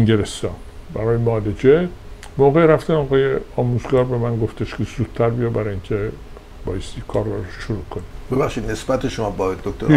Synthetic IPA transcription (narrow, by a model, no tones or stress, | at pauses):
eŋɟeɾest̪ɒːn | bæɾɒːjemɒːd̪ed͡ʒe | moːɣeɾæft̪ænɒːɣɒːjeɒːmuzɡɒːɾbe̞mænɡo̞ft̪ʰeʃkʰezuːd̪̥t̪ʰːæɾbijɒbæɾɑincʲʰe | b̥ɒ̰ːjest̪iːkʰɒːɾːɒɾʃʃoɾuːkʰonibebæχʃid̪nesbæt̪ʰeʃomɒbɒd̪ok̚t̪oɾ